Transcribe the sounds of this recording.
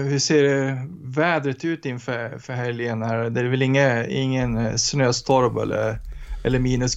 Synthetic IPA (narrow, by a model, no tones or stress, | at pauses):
hɵseːɾɛvɛːd̪ɾət̪ʉ̟ːt̪ɪnfœɾfœɾɦɛljənhæːɾd̪ɛæɾvɪlɪŋːəɪ̰ŋːənsnøːst̪ʰɔɾbɛ̰lʔə̰ɾʔɛlːəɾmiːnəs